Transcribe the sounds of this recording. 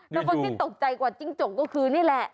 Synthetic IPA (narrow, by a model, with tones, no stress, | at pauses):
nɛː˧˥kɔ˧si˧˦t̪o˨˩p̚t͡ɕa˧jkwaː˨˩t͡ɕi˧˥˦ŋt͡ɕo˨˩kɔ˧˩kʰɯː˧ni˦˥˨lɛ˨˩ʔ